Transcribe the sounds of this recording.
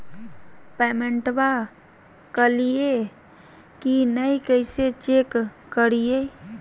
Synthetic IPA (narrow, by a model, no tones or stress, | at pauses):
pɛːmeɳʈba | kəlie | kinəikəɪset͡ʃekː | əɾie